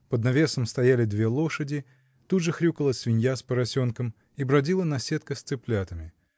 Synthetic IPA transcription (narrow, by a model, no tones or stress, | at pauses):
pəd̪nɐvʲe̞səmst̪ɐjalʲɪd̪vʲe̞lˠo̞ʂədʲɪ | t̪ud̪ʐɨxɾʲukəlˠəsʲvʲɪnʲjaspəɾɐsʲo̞nkəm | ibɾɐdʲilˠənɐsʲet̪kəst̪sɨplʲat̪əmʲɪ